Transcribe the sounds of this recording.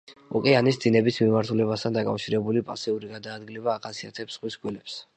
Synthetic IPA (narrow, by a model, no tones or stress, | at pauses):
ɔkʼɛanisd̪inɛbismimaɾt̪ʰulɛβast̪ʰand̪akʼa̰fʃiɾɛbulipʼasiuɾiɡad̪aːd̪ɡilɛbaːχasiat̪ʰɛpsχwisɡʼwilɛps